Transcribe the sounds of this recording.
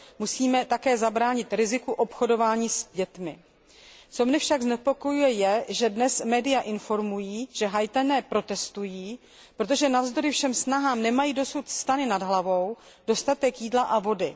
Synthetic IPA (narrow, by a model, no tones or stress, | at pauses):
musiːmɛt̪akɛːzabɾaːɲɪt̪ɾɪzɪkuʔo̞pxo̞do̞vaːɲiːsɟɛt̪mɪ | t͡so̞mɲɛfʃaɡznɛpo̞ko̞jujɛjɛʒɛdnɛsmɛːdɪjaʔɪnfo̞ɾmujiːʒ̥ɛɦajt̪anɛːpɾo̞t̪ɛst̪ujiː | pɾo̞t̪o̞ʒɛnavzd̪o̞ɾɪfʃɛmsnaɦaːmnɛmajiːdo̞sut̪st̪anɪnadɦlavo̞w | d̥o̞st̪at̪ɛkjiːdlaʔavo̞dɪ